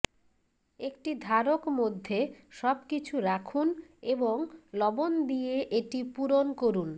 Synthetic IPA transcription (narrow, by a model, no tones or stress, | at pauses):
ek̚ʈid̪ʱaɾokmod̪ʱːeʃɔb̚kit͡ɕʰuɾakʰuneboŋlɔbond̪ieʔeʈipuɾonkoɾun